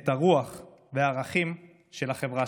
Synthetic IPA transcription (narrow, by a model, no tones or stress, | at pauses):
t̪aʁuaχ | veaʁaχim | ʃe̞laχevʁa